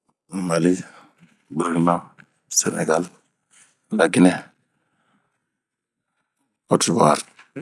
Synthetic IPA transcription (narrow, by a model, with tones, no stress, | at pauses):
ma˨li˦ | bi˨ɾɡna˦˨ | sə˦nḛ˨ɡa˦l | la˨ɡi˦ne˦ | o˦ti˨wa˨ɾ